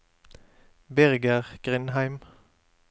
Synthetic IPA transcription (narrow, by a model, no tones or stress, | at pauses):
bæʁɡəʁɡ̥ʁɪnhæɪm